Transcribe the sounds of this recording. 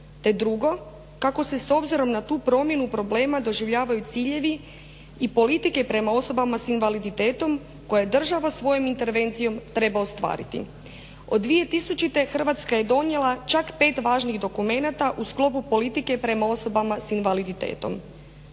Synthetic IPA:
t̪e̞d̪ɾuɡo̞ | kako̞se̞so̞bziɾo̞mnat̪uːpɾo̞mje̞nupɾo̞ble̞ːmad̪o̞ʒiʋʎaːʋajut̪siːʎe̞ʋi | ipo̞lit̪ike̞pɾe̞mao̞so̞bamasinʋalid̪it̪e̞ːt̪o̞m | ko̞jajed̪r̩ʒaʋosʋo̞jo̞mint̪e̞ɾʋe̞nt̪sijo̞mt̪ɾe̞baost̪ʋa̰ːɾḭt̪ḭ | o̞d̪ːʋije̞t̪isut͡ʃit̪e̞xr̩ʋat̪skaje̞d̪o̞nje̞lˠat͡ʃakpe̞ːt̪ʋaːʒniɣd̪o̞kume̞nat̪aʔusklˠo̞pupo̞lit̪ike̞pɾe̞mao̞so̞bamasinʋalid̪it̪ḛːt̪o̞̰m

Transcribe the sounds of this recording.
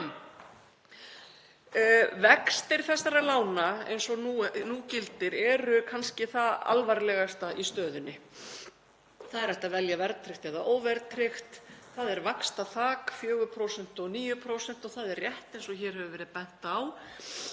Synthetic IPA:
vɛkst̪ɪɾ̥θɛsːaɾaðlaːwnaḛjnsɔnunuːcɪlt̪ɪɾɛɾʏkʰanscɪθaða̰lvaɾlɛɣast̪aʔist̪œːðʏnːɪ | θaðɛɾɛht̪avɛljavɛɾtt̪ʰɾɪxt̪ɛðaʔoːwvɛɾt̪ʰɾɪxt̪θaðɛɾvakst̪aθaːkfjœːɣʏpʰɾowsɛn̥t̪ɔniːjʏpʰɾowsɛn̥t̪ɔɣθaðɛrjɛht̪ejnsɔçɛːɾ̥hœvʏvɛːɾɪðpɛn̥t̪aw

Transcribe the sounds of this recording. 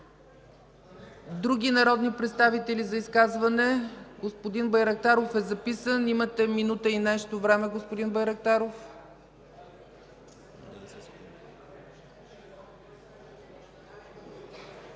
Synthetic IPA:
d̪ɾuɡ̟ʲinɐɾɔd̪nipɾɛt̪st̪avit̪ɛlizɐiskazvɐnɛɡospod̪inbɐjɾɐk̚t̪aɾofɛzɐpisənimət̪ɛminut̪əinɛʃt̪ovɾɛmɛɡospod̪inbɐjɾɐk̚t̪aɾof

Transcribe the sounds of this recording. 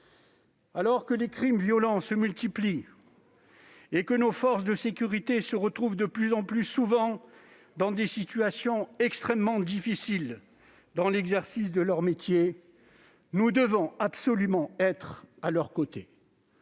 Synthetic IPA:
alɔʁkəlekχimvjɔlɑ̃səmylt̪ipli | ekənofɔʁsd̪əsekʲyʁit̪esəʁət̪χuvd̪əplyzɑ̃plysuvɑ̃ | d̪ɑ̃d̪esit̪yasjɔ̃ɛkst̪χɛmːɑ̃d̪ifisil | d̪ɑ̃lɛɡzɛʁsis̬d̪əlœʁmet̪je | nud̪əvɔ̃absɔlymɑ̃ɛt̪χalœʁkot̪e

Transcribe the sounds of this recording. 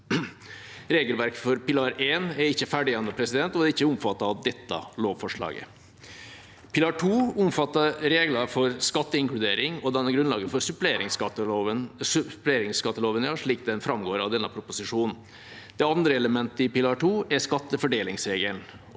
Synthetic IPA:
ɾeːɡəlʋæɾkfɔɾpɪlɑːɾeːnɛɾɪçːəfæɖɪɛnəpʰɾɛsɪd̪ɛnt̪ɔɛɾɪçːəʊmfɑt̪ːɑɑʋd̪ɛt̪ːɑ̰loːʋfɔʂɭɑ̰ːɡə̰ | pʰɪlɑʈʰuːʊmfɑt̪ːɑɾeːɡlɑɾfɔɾskɑt̪ːəɪŋklʉd̪eːɾɪŋɔd̪ɛnəɡɾʉnlɑ̰ːɡəfɔɾsʉpleɾɪŋsɑəʋənspleːɾɪŋskɑt̪ːəloːʋənjɑːʂɭiːk̚d̪ɛnfɾɑmɡoːɾɑʋd̪ɛnːəpʰɾʊpʊsɪʂuːnn̩ | d̪̥ɛɑnd̪ɾəɛləmɛnt̪əɪpɪlɑːʈuːɛɾskɑt̪ːəfɔɖeːlɪŋsɾeːɡəln

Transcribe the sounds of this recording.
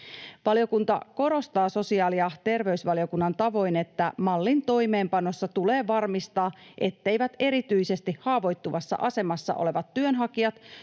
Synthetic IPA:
ʋɑljo̞kunt̪ɑ̰ko̞ɾo̞st̪ɑːso̞siɑːliɑt̪e̞rʋe̞ysʋɑljo̞kunːɑnt̪ɑʋo̞jne̞t̪ːæmɑlːint̪o̞jme̞ːmpɑno̞sːɑt̪ule̞ːʋɑrmist̪ɑːʔe̞t̪ːe̞jʋæt̪e̞ɾit̪yjse̞st̪ihhɑːʋo̞jt̪ːuʋɑsːɑ̰ʔɑse̞mɑsːɑ̰ʔo̰le̞ʋɑt̪ːyønɦɑkiɑt̪

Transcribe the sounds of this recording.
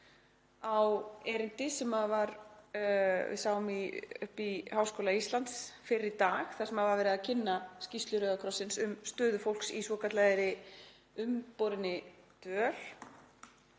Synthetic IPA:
awɛɾɪnt̪ɪsɛmaðvaɾ | vɪ̰ðsaːwʏmiʏ̰hpihaːwskoːlaist̪lant̪sfɪɾɪt̪aːxθaðsɛmhaðvaɾvɛːɾɪðacʰɪnːascist̪lʏɾœːɣakʰɾɔsɪnsʏmst̪œːðʏfowl̥ksisvɔkʰat̪laðɪɾɪ | ʏmpoɾɪnːɪt̪œːl̥

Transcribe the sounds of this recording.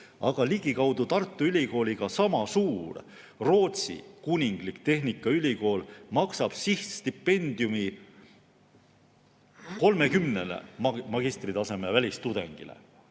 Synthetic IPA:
ɑ̰ɡ̥ɑliɡ̥ikɑwd̪̥ut̪ɑrt̪ːˑuylʲiko̞ːlʲiɡ̥ɑsɑmɑsuːr | ro̞ːt̪sḭkunʲiŋɡ̥likt̪e̞ɦnikˑːɑylʲiko̞ːlmɑksɑb̥siht̪st̪ipːe̞nd̪̥iumi | ko̞lme̞kymnelḛmɑɡ̥ist̪rit̪ɑse̞mevælʲist̪ud̪̥e̞̰ŋɡ̥ḭlḛ

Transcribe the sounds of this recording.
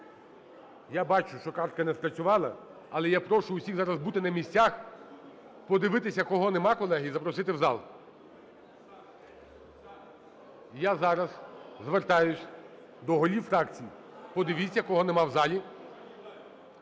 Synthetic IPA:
jabɑt͡ʃʊʃt͡ʃɔkɑrt̪̚kɐnɛspɾɐt͡sʲʊʋɑlˠɐ | ɐlˠɛjapɾɔʃʊːsʲiɣzɑɾɐzbut̪ɪnɐmʲisʲt͡sʲax | pɔd̪ɪʋɪt̪ɪsʲɐkɔɦɔnɛmɑkɔlˠɛɦizɐpɾɔsɪt̪ɪwzɑ̰lˠ | jazɑɾɐzzʋert̪ɑjʊsʲ | d̪ɔɦɔlʲifɾɑkt͡sʲiji | pɔd̪ɪʋʲisʲɐkɔɦɔnɛmɑwzɑlʲi

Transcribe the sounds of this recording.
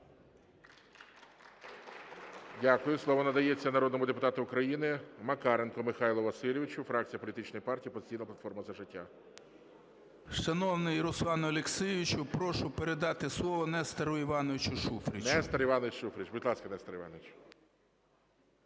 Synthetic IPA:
dʲakʊjʊslˠɔʋɔnɐd̪ɐjet͡sʲːɐnɐɾɔd̪nɔmʊd̪epʊt̪ɑt̪ʊːkɾɐjinɪmɐkɑɾenkɔmɪxɑjlˠʊʋɐsɪlʲɪʋʲɪt͡ʃʊfɾɑk̚t͡sʲijɐpɔlʲit̪ɪt͡ʃnɔjipɑrtʲipɔzɪ̥t͡sʲijnɐplˠɐt̪fɔrmɐzɐʒɪtʲːa̰ | ʃɐnɔwnɪjɾʊslˠɑnʊɐlʲeksɪjʋʲɪt͡ʃʊpɾɔʃʊpeɾed̪ɑt̪ɪslˠɔʋɔnɛst̪ɐɾʊiʋɑnɔʋʲɪt͡ʃʊʃufɾʲinɛst̪ɐɾiʋɑnɔɪt͡ʃʃufɾʲit͡ʃbʊdʲlˠɑskɐnɛst̪ɐɾiʋɑ̰nɔʋɪt͡ʃ

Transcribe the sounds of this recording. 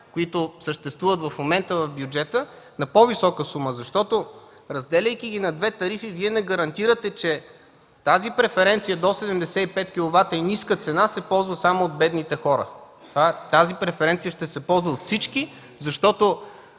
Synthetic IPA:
koit̪ʊsəʃt̪ɛst̪vuvət̪vɐfmomɛnt̪əvɐvfbjud͡ʒɛt̪ə | nɐpovisɔkəsuməzɐʃt̪ɔt̪o | ɾɐzd̪ɛlʲəjk̟iɡ̟inɐd̪vɛt̪ɐɾifiviɛnɛɡɐɾɐnt̪iɾət̪ɛt͡ʃɛ | t̪azipɾɛfɛɾɛnt̪sijəd̪osɛd̪ɛmd̪ɛsɛipɛt̪kʲilˠovat̪əiniskət̪sɛnasɛpɔlˠzvəsamoːd̪̚bɛd̪nit̪ɛxɔɾə̰ | t̪vat̪azipɾɛfɛɾɛnt̪sijəʃt̪ɛsɛpɔlˠzvəot̪fsit͡ʃki | zɐʃt̪ɔt̪o

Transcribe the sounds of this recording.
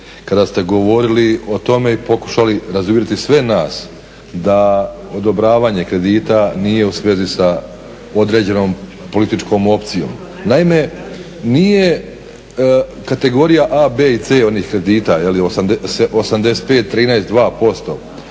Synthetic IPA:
kad̪ast̪e̞ɡo̞ʋo̞ɾilio̞t̪o̞me̞ipo̞ku̥ʃaliɾazumiɾet̪isʋe̞naːs | d̪a | od̪o̞bɾaːʋaːɲe̞kɾe̞d̪iːt̪anije̞usʋezisa | o̞d̪ɾe̞ːd͡ʑe̞no̞ːm | po̞lit̪it͡ʃko̞ːmo̞pt̪sijo̞̰m | naime̞ | nije̞ | kat̪e̞ɡo̞ɾijaʔabeːit̪seːo̞niːxkɾe̞d̪iːt̪ajeliosamd̪seosamd̪e̞set̪̚pe̞ːt̪ːɾiːnaest̪d̪ʋaːpo̞st̪o̞̰

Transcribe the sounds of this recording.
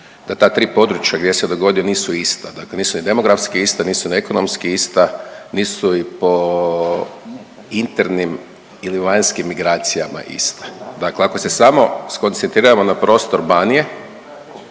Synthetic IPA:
d̪̥at̪aːt̪ɾiːpo̞d̪ɾut͡ʃjaɡd̪ʲjesed̪o̞ɡo̞d̪ijo̞niːsuist̪ad̪akle̞niːsunid̪e̞mo̞ɡɾafskiist̪aniːsunieko̞no̞mskiist̪aniːsuipo̞ | int̪eɾnim | iliʋaɲskimːiɡɾaːt̪sijama̰ʔḭst̪ḁd̪akleako̞se̞samo̞sko̞nt̪sent̪ɾiːɾamo̞napɾo̞st̪o̞ɾbanije

